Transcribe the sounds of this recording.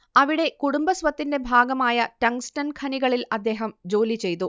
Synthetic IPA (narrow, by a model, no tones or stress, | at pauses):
ɐʋiɽe̞kuɽumbɐsʋɐt̪ːinde̞bʱaːɡɐmaːjɐʈɐŋstɐnkʰɐniɣɐɭilɐd̪ːe̞ːɦɐmd͡ʑo̞ːlit͡ɕe̞jt̪u